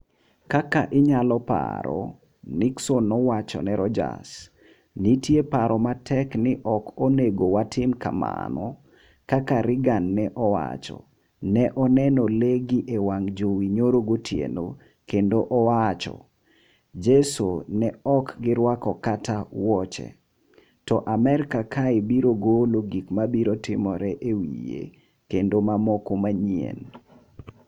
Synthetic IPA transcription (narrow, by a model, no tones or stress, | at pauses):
kakaʔɪɲalɔpa̰ɾɔ̰ | nɪksonɔwat͡ʃɔ̰nɛɾɔd͡ʒa̰s | nitjepaɾʔɔmatɛknɪʔɔkʰoneɡowatɪmka̰ma̰nɔ | kakaɾɪɡanːɛʔɔwa̰t͡ʃɔ̰ | nɛʔɔnɛnɔleɡiʔewaŋd͡ʒowiɲoɾoɡotʰjḛno̰ | kendoʔɔwat͡ʃɔ̰ | d͡ʒɛsonɛɔkɡɪɾwakɔkatawɔt͡ʃɛ̰ | tɔʔamɛɾkakʰaebiɾoɡoloɡikmabiɾotɪmɔɾɛʔewḭjḛ | kendomamɔkomaɲiḛn